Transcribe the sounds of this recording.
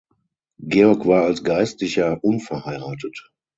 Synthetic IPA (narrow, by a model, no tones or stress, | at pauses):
ɡeːɔɐkv̥aːɐalsɡ̥aɪstlɪçɐʔʊnfɛɐhaɪʁaːtət